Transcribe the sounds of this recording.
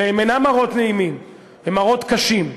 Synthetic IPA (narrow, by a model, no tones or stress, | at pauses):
eemenamaʁo̞t̪neimim | vemaʁo̞t̪kaʃim